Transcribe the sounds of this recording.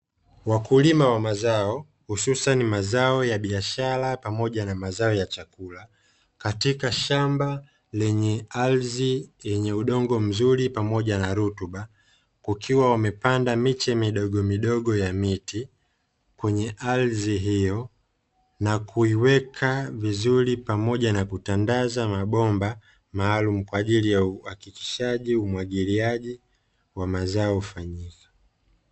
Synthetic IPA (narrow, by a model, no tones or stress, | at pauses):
wakulimawamazaɔ | hususanimazaɔjaɓiaʃaɾapamɔʄanamazaɔjat͡ʃakula | katikaʃamba | lɛɲɛalzijɛɲɛuɗɔŋɡɔm̩zuɾipamɔʄanaɾutuɓa | kwakʰiwawamɛpandamit͡ʃɛmiɗɔɠɔmiɗɔɠɔjamiti | kwɛɲɛʔalziɦijɔ | nakʰuiwɛkʰavizuɾipamɔʄanakutandazamaɓɔmba | maːlum̩kwaːʄilijauhakiki̥ʃaʄiumwaɡiliaʄi | wamazaɔufaɲikḁ